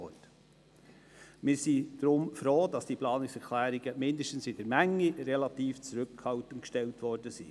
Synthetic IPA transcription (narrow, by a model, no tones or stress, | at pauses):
ɔt | mɪːɾsid̥ɾʊmfɾoːdɑsd̥iplɑːnɪksɛɾkʰlæːɾiɡəmɪndəʃtən̩sɪd̥əɾmæŋːirɛlɑtiːft͡sɾʉkːhɑwtənkʃtɛltʋɔrd̥əsḭː